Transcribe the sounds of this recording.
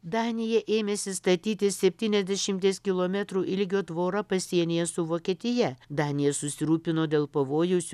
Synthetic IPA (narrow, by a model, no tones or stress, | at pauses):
d̪ɑːnʲɪjɛʔeːmʲesʲɪst̪ɐt̪ʲiːt̪ʲɪsʲɛpʲt̪ʲiːnʲɛzʲd̪ʲɛʃʲɪmʲt̪ʲeːskʲɪlˠoːmʲɛt̪ɾuːʔɪlʲɡʲoːd̪ʋoːɾɐpɐsʲiɛnʲejɛsʊʋoːkʲiɛt̪ʲɪjɛd̪ɑːnʲɪjɛsʊsʲɪɾuːpʲɪnoːd̪ʲeːlˠpɐʋoːjoːsʲ